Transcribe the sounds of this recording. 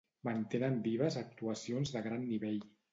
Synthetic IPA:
mənt̪enənbiβəzək̚t̪uəsionzðəɣɾanːiβeʎ

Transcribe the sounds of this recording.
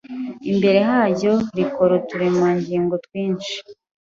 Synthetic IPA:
imbe̞ɾe̞ɦaːɾjo̞ɾikoɾotuɾimaːɲɟiːŋɡo̞twiːnt͡ʃi̥

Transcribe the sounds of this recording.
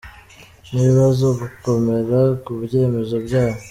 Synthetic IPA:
niβiβazo̞ɡuko̞me̞ɾakuβje̞ːme̞zo̞bɟaːho

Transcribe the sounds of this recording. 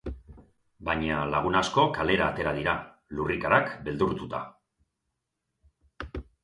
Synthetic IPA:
baɲalaɣ̞unasko̞kale̞ɾaːt̪e̞ɾaðiɾa | lurikaɾakbe̞ld̪uɾt̪ut̪a

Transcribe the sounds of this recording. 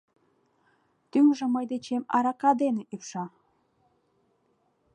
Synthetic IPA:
t̪yŋʒeməjd̪et͡ɕemɑ̰ɾɑkɑd̪eneʔypʃɑ

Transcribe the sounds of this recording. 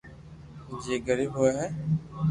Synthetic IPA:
d͡ʒeːɡəɾiːbɦojaːɦɛː

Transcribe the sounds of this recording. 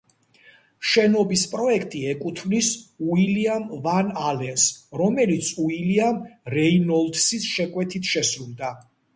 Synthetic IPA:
ʃɛnɔbispʼɾɔɛkʰt̪ʼiɛkʼut̪ʰmnisuiliamvanalɛnsɾɔmɛlit̪sʰuiliamɾɛinɔlt̪sisʃɛkʼwɛt̪ʰit̪ʰʃɛsɾulˠd̪a

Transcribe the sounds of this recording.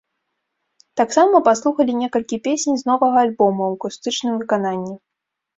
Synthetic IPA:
t̪aksamɐpaslˠuxɐlʲinʲɛkɐlʲkʲipʲesʲnʲznɔvɐɣɐːlʲbɔmɐwkust̪ɨt͡ʂnɨmvɨkananʲːi

